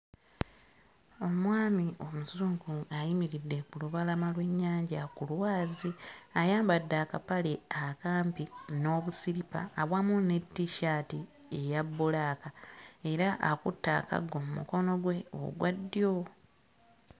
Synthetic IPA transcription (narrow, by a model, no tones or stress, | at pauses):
o̞mwaːmiʔo̞muzuːŋɡuajimiɾidːe̞kuluβalamalwe̞ɲːaːɲɟakulwaːziajaːmbadːaːkapaleakaːmpino̞ːβusiɾipa̰ːβwaːmune̞tːiʃaːti | e̞jabːulaːkae̞ɾaʔakutːa̰ːka̰ɡo̞mumṵko̞no̞ɡwe̞o̰ɡwadːjo̞